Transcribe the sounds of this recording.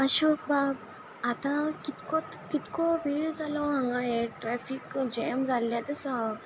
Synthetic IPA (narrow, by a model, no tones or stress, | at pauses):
əɕɔk̚bab | at̪ãkit̪kɔt̪kit̪kɔbʱiɭd͡zalɔɦãŋɡajeʈɾɛfikd͡ʑemd͡zʱaljat̪əsə